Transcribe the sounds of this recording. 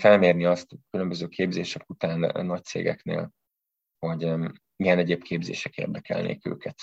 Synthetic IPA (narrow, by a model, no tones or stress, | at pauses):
fɛlmeːrniɒst̪kylømbøzøːkʰeːbzeːʃɛkut̪aːnːɒc̚t̪sḛːɡɛ̰knḛːl | ho̞ɟ | iɡɛnɛɟeːp̚kʰeːbzḛːʃɛkḛːrd̪ɛkɛ̰lnḛːkø̰ːkɛt̪